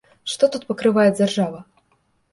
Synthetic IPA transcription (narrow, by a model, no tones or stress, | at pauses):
ʂt̪ɔt̪ut̪̚pɐkɾɨvajɛd͡zʲarʐavɐ